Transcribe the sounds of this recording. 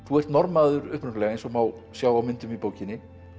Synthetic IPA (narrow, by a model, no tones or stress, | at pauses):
θuɛr̥t̪nɔɾmaðʏɾʏhpɾʏk̪lɛɣaejnsɔmaw | sjaːwawmɪnt̪ʏmipoːwcɪnːɪ